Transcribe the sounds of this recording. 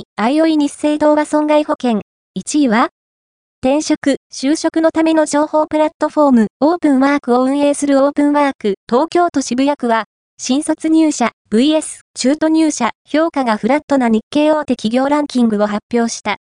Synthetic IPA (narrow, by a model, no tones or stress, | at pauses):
aio̞iɲ̟ise̞ːd̪o̞ːbasõ̞ŋɡaiho̞kẽ̞ŋ | it͡ɕiβa | t̪ẽ̞ɰ̃ɕo̞kɯ̟ɕɨːɕo̞kɯ̟no̞t̪ame̞no̞d͡ʑo̞ːho̞ːpɯ̟ɾat̪ːo̞ɸo̞mɯ̟o̞ːpɯ̟̃ɰ̃βaːkɯ̟o̞ɯ̟̃ɰ̃e̞ːsɨɾɯ̟oːpɯ̟̃ɰ̃βaːkɯ̟t̪o̞ːkʲo̞ːt̪o̞ɕibɯ̟jakɯ̟βa | ɕĩɰ̃so̞t͡sɨɲ̟ɨːɕab̥ɯ̟ie̞sɨ̥t͡ɕɨːt̪o̞ɲ̟ʲɨːɕaço̞ːkaɡaɸɯ̟ɾat̪ːo̞naɲ̟ikːe̞ːo̞ːt̪e̞kʲiɡʲo̞ːɾãŋkʲĩŋɡɯ̟o̞ɦapʲːjo̞ːɕi̥t̪a